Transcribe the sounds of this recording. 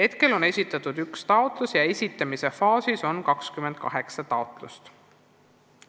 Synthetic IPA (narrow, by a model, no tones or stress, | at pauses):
he̞t̪ke̞lo̞ne̞sʲit̪ːˑɑt̪ud̪̥ykst̪ɑot̪ˑlusjɑe̞sʲit̪ːˑɑmise̞fɑːsiso̞nkɑkskymend̪̥̚kɑ̰ɦe̞ksɑt̪ɑot̪ˑlust̪